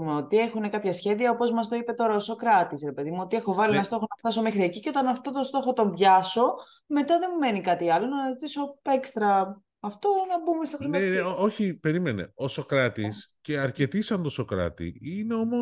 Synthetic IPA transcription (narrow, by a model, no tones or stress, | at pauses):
umeo̞t̪iexune̞kɐpçɐsçe̞ðiɐopo̞zmɐst̪o̞ipe̞t̪o̞ɾɐoso̞kɾɐt̪isɾepe̞ðimuo̞t̪ie̞xo̞vɐlinnɐst̪o̞xonɐft̪ɐs̬o̞mexɾieciceot̪ɐnɐft̪ot̪ost̪o̞xo̞t̪o̞mbʝɐso̞ | me̞t̪ɐðe̞mumenikɐt̪iɐlo̞nɐnɐzit̪iso̞ekst̪ɾɐː | ft̪o̞nɐbumest̪ɐxɾiɐeooçipe̞ɾime̞neosokɾɐt̪isce̞ɐɾce̞t̪isɐnt̪osokɾɐ̰t̪ḭineo̞mo